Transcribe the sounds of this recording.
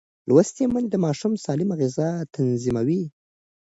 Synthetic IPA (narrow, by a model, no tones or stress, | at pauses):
lwast̪emand̪əmɑʃumsɑlɪmaɣɪzɑt̪ʰanzimawi